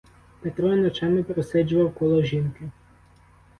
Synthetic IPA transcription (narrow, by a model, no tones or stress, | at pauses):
pɛt̪ɾɔinɔt͡ʃamɪpɾesɛd͡ʒʊʋɐwkɔlˠɔʒinkɪ